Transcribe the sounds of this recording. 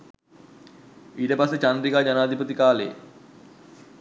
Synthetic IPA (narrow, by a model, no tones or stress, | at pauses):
iːtəpasːet͡ɕand̪ɾikaːd͡ʑanaːd̪ʱipət̪ikaːlḛ